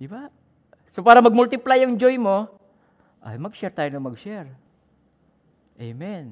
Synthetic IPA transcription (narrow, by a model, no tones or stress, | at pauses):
d̪ɪba | sopaːɾɐmɐɡ̚mʊlt̪ɪplajaŋd͡ʒojmo | ʔa̰jmɐɡʃɛɾt̪aːjonɐŋmɐɡʃɛɹ | ʔejmɛn